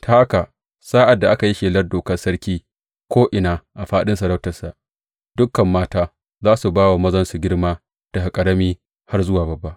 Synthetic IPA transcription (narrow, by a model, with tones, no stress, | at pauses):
tʰaː˦ʔa˦ka˨ | saː˦ʔa˨dːa˨ʔa˦ka˨ji˦ʃeː˨lɐ˦rdoː˨kɐ˦rsɐ˦ɽkʲiː˦ | kʷoː˦ʔɪ˨naː˨ʔa˨ɸaː˦ɗɪ˦nsɐ˨ɾɐ˦wtɐ˨rsa˨ʔ | d̥ʊ˦kːɐ˨mːaː˦taː˦ | zaː˦su˨baː˦wa˨mɐ˦zɐ˦nsu˨ɡʲɪ˦ɽmaː˦ | d̥a˨ha˨kʼɐ˨ɾɐ˦miː˦ | ha˦rzʊ˦waː˨bɐ˨bːa˦ʔ